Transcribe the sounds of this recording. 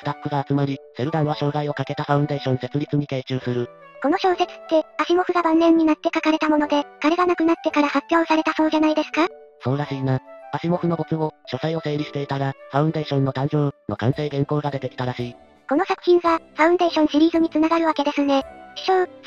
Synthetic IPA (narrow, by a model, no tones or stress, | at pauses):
sɨ̥t̪akːɯ̟ɡaːt͡sɨmaɾʲise̞ɾɯ̟d̪ãɰβaɕo̞ːɡaio̞kake̞t̪aɸaɯ̟nd̪e̞ːɕõ̞ñse̞t͡sɨɾʲit͡sɨɲ̟ik̪eːt͡ɕɨːsɨɾɯ̟ | ko̞no̞ɕo̞ːse̞t͡sɨ̥t̪ːe̞aɕimo̞ɸɯ̟ɡabãnːẽ̞ɲ̟ːinat̪ːe̞kakaɾe̞t̪amo̞no̞d̪e̞kaɾe̞ɡanakɯ̟nat̪ːe̞kaɾahapʲːjo̞ːsaɾe̞t̪aso̞ːd͡ʑanaid̪e̞sɨ̥ka | so̞ːɾaɕiːnaaɕimo̞ɸɯ̟no̞bo̞t͡sɨmo̞ɕo̞saio̞se̞ːɾʲiɕi̥t̪e̞it̪aɾaɸaɯ̟̃nd̪e̞ːɕõ̞nːo̞t̪ãnʑo̞ːno̞kãɰ̃se̞ːɡẽ̞ŋko̞ːɡad̪e̞t̪e̞kʲi̥t̪aɾaɕiː | ko̞no̞sakɯ̟̥çĩŋ̃ɡaɸaɯ̟̃nd̪e̞ːɕõ̞ɰ̃ɕiɾʲiːzɨɲ̟it͡sɨnaɡaɾɯ̟βake̞d̪e̞sɨne̞̥ɕoː